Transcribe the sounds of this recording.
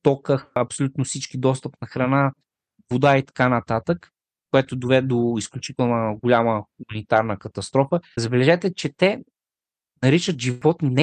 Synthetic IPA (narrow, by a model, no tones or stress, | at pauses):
t̪ɔkəxɐpsolʲut̪nofsit͡ʃkid̪ɔst̪əpnɐxɾɐna | vod̪ait̪ɐ̥kanɐt̪at̪ək | koɛt̪od̪ovɛɛd̪oisklʲut͡ʃit̪ɛlˠnəɡolʲaməxumɐnit̪aɾnəkɐt̪ɐst̪ɾɔfəzɐbɛlɛʒɛt̪ɛt͡ʃɛt̪ɛ | nɐɾit͡ʃət̪ʒivɔt̪nɛ